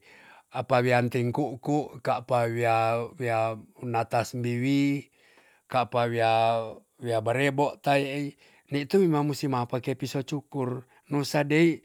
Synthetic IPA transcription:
apawiant̪iŋkuʔkuʔkaʔpawiawianat̪asmbiwi | kapawia | wiabaɾeboʔt̪aiʔi | nit̪uimamːusimapakepisot͡ʃukur | nusadeiʔ

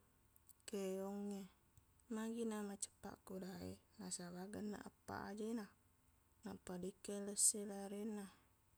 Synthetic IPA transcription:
keoŋːe | maɡinamat͡ʃə̥pːa̰ʔkudaḛnasabaɡənːa̰ʔapːa̰ʔa̰d͡ʒena | napːadikːeləsːelaɾenːa

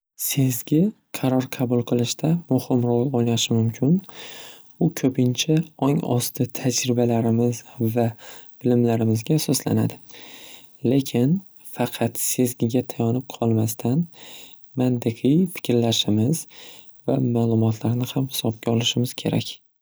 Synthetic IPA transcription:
se̞zɡʲɪ | qʰɑɾɒɾqʰɑbʊlˠqʰɨlˠɪʃt̪ʰamʊhɪmɾolˠoaʃɪmʊmkʲʰɪn | ʊkʲʰɵpʰɪnt͡ʃʰaɒŋɒ̰st̪ʰɪt̪ʰad͡ʒɾɪbalaɾɪmɪzvab̥ɪlɪmlaɾɪmɪzɡʲaːsɒsla̰na̰d̪ɪ | le̞kʲʰɪn | fɑqʰɑt̪se̞zɡʲɪɡʲat̪ʰajɒnɪp̚qʰɒlˠmast̪ʰan | mant̪ʰɪqʰɨjfɪ̥kʲɾlaʃɪmɪz̥ | vamaːlˠʊmɒt̪ʰlaɾnɪhamhɪ̥sɒb̚ɡʲaɒlˠɪʃɪmɪz̥kʲʰe̞ɾa̰kʲ

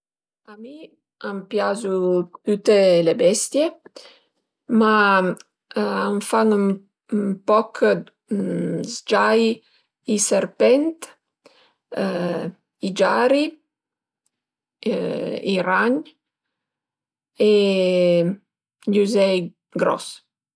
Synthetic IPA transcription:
ami | ampjazut̪ut̪elebɛst̪je | ma | amfaŋum | pɔkʰ | zd͡ʒaj | iserpɛnt̪ | id͡ʒaɾi | iraɲ | e | ʎuzɛj | ɡɾɔ̰s

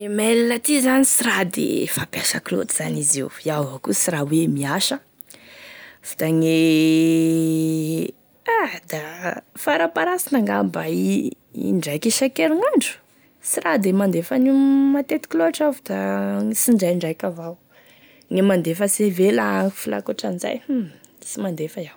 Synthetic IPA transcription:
emelinat̪izanisiɾad̪ḛfapjaʃa̰klo̰t̪i̥z̥anizḭwiavakusirawemiaʃə | vu̥d̪aŋe | ad̪afaɾapaɾasinaŋɡambai | ḭɳɖ͡ʐajkiʃakeɾiŋaɳɖ͡ʐu̥ | sirad̪emand̪efənimat̪et̪i̥kʲloaʈ͡ʂavd̪asiɳɖ͡ʐajɳɖ͡ʐajkʲavaw | ŋemand̪efəsevelaaŋi̥fila̰koʈ͡ʂanza̰j | isimand̪efəjaw

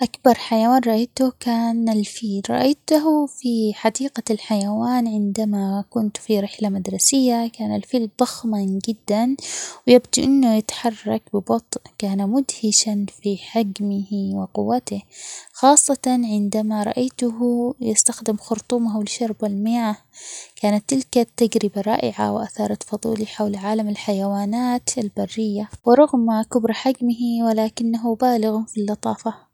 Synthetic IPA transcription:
ʔakbɑɾˤħajawaːnɾˤɑʔajt̪ʊkaːnalfiːlɾˤɑ̰ʔajt̪ʊɦfiħad̪iːqalħajawaːnʕɪnd̪amakʊnt̪fiɾɪħlamad̪ɾˤɑsɪjːakaːnalfiːld̪ˤɑxmad͡ʒɪd̪ːanwjabd̪iʔɪnːʊjɪt̪ḁħɑrˤːɑk̚bɪbɑt̪ˤʔkaːnamʊd̪hɪʃanfiħɪɡmɪhwɪqʊwːat̪ɪxɑːsˤːɑt̪ɑnʕɪnd̪amaɾˤɑ̰ʔajt̪ʊɦjɪst̪axd̪ɪmxʊɾt̪ˤuːmahwɪlʃɑɾˤbalmɪjaːhkaːnat̪ːɪlkat̪ːaɡɾɪbaɾˤɑ̰ːʔɪʕa̰wʔa̰θɑːɾˤɑt̪fɑðˤṵːliħawlʕaːlamɪlħajawaːnaːt̪albarːɪjːawɪɾˤɑɣmakʊbɾˤħaɡmɪɦiwɪlaːkɪnːaɦʊbaːlɪɣʊfilːɑt̪ˤɑːfɑ

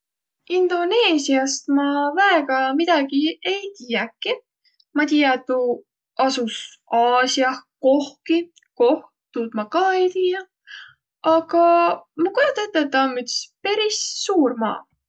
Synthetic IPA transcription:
ind̪̥o̞ne̞ːsiɑst̪mɑvæeɡ̥ɑmid̪̥ɑɡ̥ie̞jt̪iːjækːˑi | mɑt̪iːjɑt̪ːu | ɑsus | ɑːsiɑko̞hki | ko̞h | t̪ud̪̥mɑkɑːe̞jt̪iːjɑ | ɑɡ̥ɑmɑkojɑt̪ːˑet̪ːˑet̪ːɑmyt̪speɾisːuːrmɑ̰ː

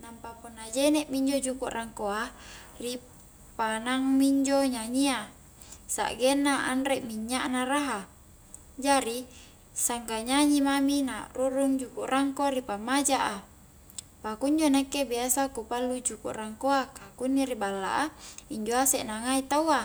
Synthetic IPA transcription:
nampapunːad͡ʒenɛʔmiɲd͡ʒod͡ʒukuʔrʔaŋkoari | panaŋmiɲd͡ʒoɲaɲia | sa̰ʔɡenːaʔa̰nɾeʔmiɲːaʔnaɾaɦa | d͡ʒaɾi | saŋkaɲaɲimaminaruɾuŋd͡ʒukuʔrʔaŋkoɾipamad͡ʒaʔa | pakuɲd͡ʒonakːebiasakupalːud͡ʒukṵʔraŋkoakakunːiɾibalːa̰ʔaiɲd͡ʒoasɛʔnaŋait̪awa

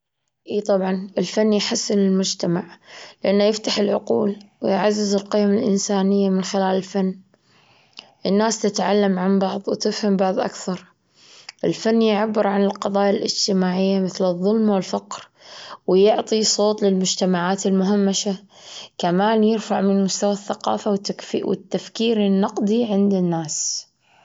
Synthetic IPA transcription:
ʔiːt̪ˤɑbʕɑnʔɪlfanːjħasːɪnɪlmʊd͡ʒt̪amaʕlɪʔanːajɪft̪aħɪlʕʊquːlwɪjʕazːɪzɪlqijːamalʔɪ̰nsaːnɪjːamɪnxɪlaːlɪlfanː | ʔɪnːaːst̪ɪt̪ʕalːamʕanbɑʕðˤwt̪ɪfhambɑʕðˤʔa̰kθɑɾˤ | ʔɪlfanːjʕabːɪɾʕanɪlqɑðˤɑːjalʔɪ̰d͡ʒt̪ɪmaːʕɪjːamɪθlɨðˤːʊlmwɪlfɑqɾ | wjʊʕt̪ˤisˤoːt̪ˤlɪlmʊd͡ʒt̪amaʕaːt̪ɪlmʊɦamːaʃa | kamaːnjɪɾfaʕmɪnmʊst̪awaθːaqɑ̰ːfawfwɪ̰t̪ːafkiːɾɪnːɑqd̪iʕɪnd̪ɪnːaːs

